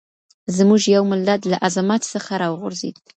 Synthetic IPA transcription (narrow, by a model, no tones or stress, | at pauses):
zmuʐjawmɪlːad̪laʔazamat̪səχaɾɑwʁʊɾzḭd̪